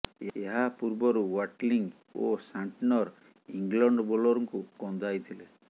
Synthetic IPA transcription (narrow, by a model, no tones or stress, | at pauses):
eeɦapuɾbɔɾuwaʈliŋ | o̰saɳʈinɔɾ | iŋɡlɔɳɖɔbolɔɾɔŋkukɔnd̪ʱajt̪ʰile